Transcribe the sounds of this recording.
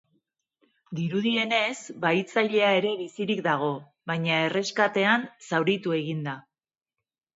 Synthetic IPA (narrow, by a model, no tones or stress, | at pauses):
d̪iɾuðie̞ne̞sbajt͡saʎe̞ae̞ɾe̞βisiɾik̚d̪aɣ̞o̞ | βajɲae̞re̞skat̪e̞ansawɾit̪ue̞ɣind̪a